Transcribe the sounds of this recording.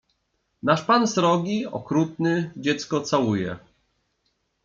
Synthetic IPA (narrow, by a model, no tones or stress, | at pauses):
naʂpansɾɔɡʲiɔ̰kɾut̪̚nɘd͡ʑɛt̪skɔt̪sawujɛ̰